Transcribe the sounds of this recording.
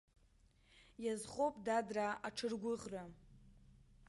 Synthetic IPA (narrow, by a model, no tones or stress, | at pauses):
jazχopʼdadraaʈ͡ʂʰɨrɡʷʊʁra